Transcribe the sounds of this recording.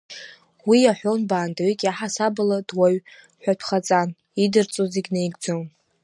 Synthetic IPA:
wijaħʷᶣonbaːndaɥikʲʼaħasabɨlad̥waɥ | ħʷᶣatʷʰχat͡sʼan | idɨrt͡sʼuziɡʲnejɡʼd͡zon

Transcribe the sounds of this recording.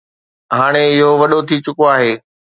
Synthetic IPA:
ɦaːɽ̃eɪɦoʋɐɗot̪ʰit͡ɕʊkoaːɦeː

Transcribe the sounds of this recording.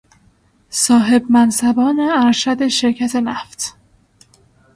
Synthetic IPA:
sɒːɦe̞bmænsæbɒːneæɾʃæd̪e̞ʃe̞ɾcʰæt̪ʰe̞næft̪

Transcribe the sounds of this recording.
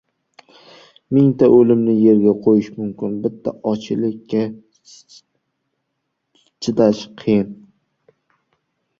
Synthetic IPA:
mɪŋt̪ʰaʔɵlɪmnɪje̞ɾɡʲaqʰojɪʃmʊmkʲʰɪnbɪt̪ʰːa̰ʔɒt͡ʃʰɪlɪkʲʰːa | t͡ʃʰɪt̪aʃqʰɨjɪn

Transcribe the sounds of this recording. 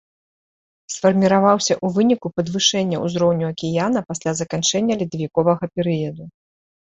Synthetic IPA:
sfɐrmʲiɾavawsʲɐʔuvɨnʲikupɐd̪vɨʂɛnʲːɐuzɾɔwnʲuɐkʲijanɐpasʲlʲazɐkant͡ʂɛnʲːɐlʲid̪ɐvʲikɔvɐɣɐpʲɛɾɨjɐd̪u

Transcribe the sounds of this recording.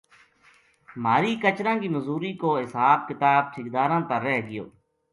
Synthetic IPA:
maːɾiːkət͡ʃɾãːkiːməzuːɾiːkoːɦɪsaːb̚kɪt̪aːb̚ʈʰɪk̚d̪aːɾãːt̪əɾːɛːɦɡɪjo̰ː

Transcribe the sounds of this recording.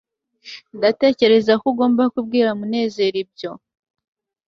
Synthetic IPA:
ndate̞ːce̞ɾe̞zakuɡo̞ːmbakub̚ɡiːɾamune̞ːze̞ɾib̚ɟo̞

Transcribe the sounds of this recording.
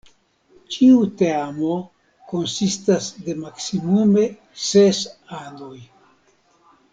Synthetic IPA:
t͡ʃiuteamo̞ | ko̞nsistasde̞maksimume̞ | sesanoj

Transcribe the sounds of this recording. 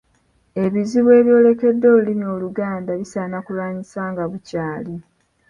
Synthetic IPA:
e̞βiziβwe̞ːβjo̞ːle̞ke̞dːo̞ːlulimio̞luɡaːndaβisaːnakulaːɲisaːŋɡaβucaːli

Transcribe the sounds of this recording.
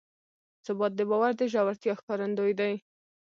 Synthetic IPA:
sʊbɑt̪̚d̪əbɑwaɾd̪əʒɑwaɾt̪jɑxkɑɾand̪ojd̪aj

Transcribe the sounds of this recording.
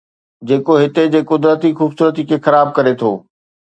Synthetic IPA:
d͡ʑeːkoɦɪt̪ed͡ʑeːkʊd̪ɾət̪ixuːbsuːɾət̪ikʰeːxɐɾaːb̚kɐɾet̪ʰoː

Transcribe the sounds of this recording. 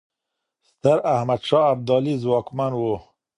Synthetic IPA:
st̪aɾahmad̪ʃɑːab̚d̪ɑːlizwɑːkmanwo

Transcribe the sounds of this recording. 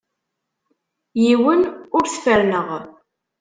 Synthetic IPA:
jiwənʊɾθfəɾnəʁ

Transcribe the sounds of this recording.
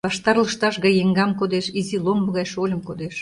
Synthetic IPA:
βɑʃt̪ɑrləʃt̪ɑʃɣɑjeŋɡɑmkod̪eʃizilombə̆ɣɑjʃolʲəmkod̪eʃ

